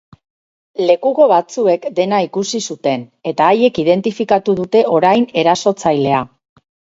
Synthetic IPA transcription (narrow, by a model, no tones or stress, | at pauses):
le̞kuɣo̞βat͡sue̞kd̪e̞naikusisut̪e̞ne̞t̪aːje̞kið̞e̞nt̪ifikat̪uðut̪e̞ʔo̞ɾajne̞ɾaso̞t͡sajle̞a